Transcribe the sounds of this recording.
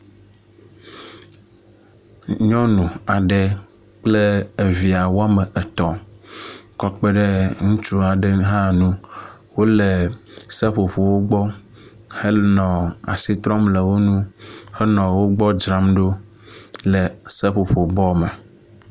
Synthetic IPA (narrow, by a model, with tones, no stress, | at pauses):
ɲɔ̃˦nũ˨a˨ɖe˨ | k͡ple˦e˨vi˨a˨wo˦a˦me˨e˨t̪ɔ̃˨ | kɔ˦k͡pe˦ɖe˦ŋũ˦t͡ʃu˦a˨ɖe˦ɦã˦nũ˦ | wo˦le˨ | se˦ɸo˨ɸo˨wo˦ɡ͡bɔ˦ | he˦nɔ̃˨a̰˨si˦t̪ɾɔ˦mle˨wo˦nũ˦hɛ˦nɔ̃˨wo˦ɡ͡bɔ˦d͡ʒɾa˦mɖo˦ | lɛ˨se˦ɸo˨ɸo˨bɔ˦mɛ˨